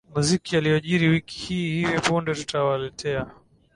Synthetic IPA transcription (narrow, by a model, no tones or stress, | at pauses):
muzikialijɔʄiɾiwiki̥hiːhivipundɛtu̥tawalɛtʰɛa